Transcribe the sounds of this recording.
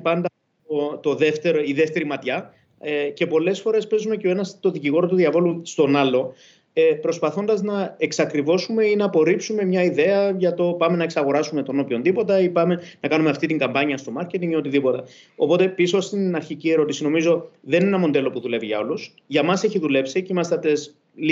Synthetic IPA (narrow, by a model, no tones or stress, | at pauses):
pɐnd̪ɐ | ot̪o̞ðe̞ft̪e̞ɾoiðeft̪e̞ɾimɐt̪çɐ | ce̞po̞le̞sfo̞ɾe̞spe̞zumeceo̞e̞nɐst̪o̞ðiciɣo̞ɾot̪uðiɐvo̞lust̪o̞nɐlo̞ | epɾo̞spɐθo̞nd̪ɐznɐeksɐkɾivo̞sume̞inɐːpo̞ɾipsume̞mɲɐiðe̞ɐʝɐt̪o̞pɐme̞nɐe̞ksɐɣo̞ɾɐsume̞t̪o̞no̞pço̞nd̪ipo̞t̪ɐipɐme̞nɐkɐnume̞ɐft̪it̪iŋɡɐmbɐɲiɐst̪o̞mɐɾce̞t̪iŋio̞t̪iðipo̞t̪ɐ | o̞po̞t̪e̞pisost̪inɐɾçicieɾo̞t̪isino̞mizo̞ðe̞nenɐmo̞nd̪e̞lo̞puðule̞viʝɐ̰o̞lus | ʝɐmɐseçiðule̞psicimɐst̪et̪es | l